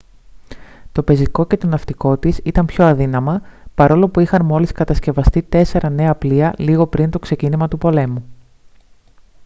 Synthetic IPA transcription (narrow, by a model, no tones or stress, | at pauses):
t̪o̞pe̞ziko̞ce̞t̪o̞nɐft̪iko̞t̪isit̪ɐnpço̞ɐðinɐmɐpɐɾo̞lo̞puixɐnmo̞liskɐt̪ɐsce̞vɐst̪it̪e̞se̞ɾʔɐne̞ɐpliɐliɣo̞pɾint̪o̞kse̞cinimɐt̪upo̞le̞mu